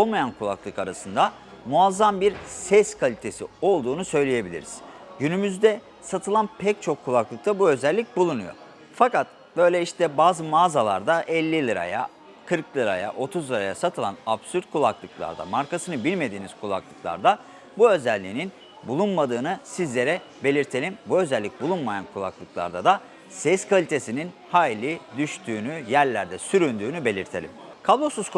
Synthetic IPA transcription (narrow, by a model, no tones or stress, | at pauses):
olˠmajankʰulˠa̰klˠɯkaɾasɯnd̪a | muazːambiɾsɛskʰalʲit̪ʰe̞sḭo̞lˠd̪uːnusø̞jlʲeje̞bilʲiɾḭz̥ɟynymyzd̪ɛ | sat̪ʰɯlˠanpʰɛc̚t͡ʃʰo̞kʰːulˠaklˠɯk̚t̪ʰabuø̞zɛlʲːic̚bulˠunujo̞̰ | fakat̪ | bø̞jlʲɛiʃt̪ʰɛbaːzɯmaːzalˠa̰ɾd̪aʔɛlʲːilʲˠɯɾa̰ja̰ | kʰɯɾklˠɯɾa̰ja̰ʔo̞t̪ʰuzlˠɯɾa̰jasat̪ʰɯlˠanabsyɾt̪̚kʰulˠaklˠɯklˠa̰ɾd̪a̰maɾkasɯnɯbilʲme̞d̪iːniz̥kʰulˠa̰klˠɯklˠa̰ɾd̪a | buø̞zɛlʲːiːnin | bulˠunmad̪ɯːnɯsizlʲeɾɛ | be̞lʲiɾt̪ʰe̞lʲimbuø̞zɛlʲːic̚bulˠunmajankʰulˠa̰klˠɯklˠa̰ɾd̪ad̪a | sɛskvalʲit̪ʰe̞sininhaːjlʲid̪yʃt̪ʰyːnyjæɾlʲæɾd̪ɛsyɾynd̪yːnybe̞lʲiɾt̪ʰe̞lʲḭmkʰablˠo̞suz̥k